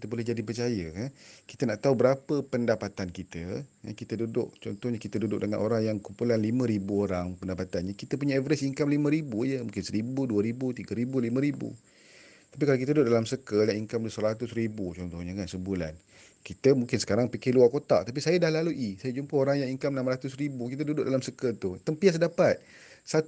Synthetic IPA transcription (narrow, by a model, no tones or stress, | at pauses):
kit̪əbolɛhɦd͡ʒadipərt͡ʃajəkanki̥t̪ənaʔt̪aubəɾapəpəndapat̪ankit̪əja̰kit̪ədudʊʔt͡ʃɔnt̪ɔhɲəkit̪ədudʊk̚dəŋa̰nʔoɾaŋjaŋkumpulanlimə̃ɾibuoɾaŋpəndapat̪anɲəkit̪əp̬uɲaɛvəɾɛsiŋkamlimə̃ɾibud͡ʒəmũŋkɪnsəɾibuduəɾibut̪iɡəɾibulimə̃ɾibṵ | t̪ap̬ikalak̬it̪ədudʊʔ̚dalamsəkəjaŋiŋkamdəsəɾat̪ʊsɾibut͡ʃɔnt̪ɔhɲəŋansəmbulan | kit̪əmuŋkɪnsə̥kaɾaŋpikɪhluakot̪a̰ʔt̪ap̬isajədahlaluʔisajəd͡ʒumpəoɾaŋjaŋiŋkamnamɾat̪ʊsɾibukit̪ədudʊʔ̚dalamsəkət̪ut̪əmpiasdapat̪̚ | sa